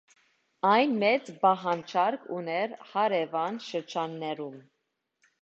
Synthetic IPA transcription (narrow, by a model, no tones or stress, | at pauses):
ɑjnmɛt͡sbɑɦɑnt͡ʃʰɑɾkʰṵnɛɾhɑɾɛvɑnʃəɾd͡ʒɑnːɛɾum